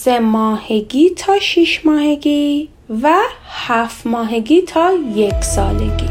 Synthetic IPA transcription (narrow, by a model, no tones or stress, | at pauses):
semɒːheɡiːt̪ʰɒːʃiʃmɒːheɡiː | væhæft̪mɒːɦeɡiːt̪ʰɒːjekʰsɒːlḛɡ̥ḭː